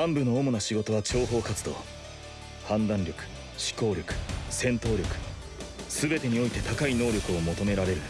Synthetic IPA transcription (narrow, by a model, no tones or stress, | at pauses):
hãmbɯ̟no̞ːmonaɕiɡo̞t̪o̞βat͡ɕo̞ːɦo̞ːkat͡sɨd̪o̞̰ː | hãnd̪ãɲɾʲo̞kɯ̟̥ | ɕi̥ko̞ːɾʲo̞kɯ̟̥sẽ̞nt̪o̞ːɾʲo̞kɯ̟̥ | sɨbe̞t̪e̞ɲ̟io̞it̪e̞t̪akaino̞ːɾʲo̞kɯ̟o̞mo̞t̪o̞me̞ɾaɾe̞ɾɯ̟